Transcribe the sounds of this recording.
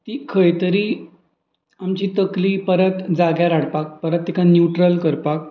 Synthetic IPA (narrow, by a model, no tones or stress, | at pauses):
t̪iːkʰəjt̪əɾiː | amt͡ɕiːt̪əkliːpəɾət̪d͡zaɡjaɾaɽ̤pak̚pəɾət̪̚ːikanjuʈɾəlkəɾpak̚